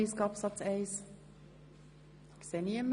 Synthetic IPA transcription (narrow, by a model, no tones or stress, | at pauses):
iskɑpsɑtɛjs | ɪksɛniəm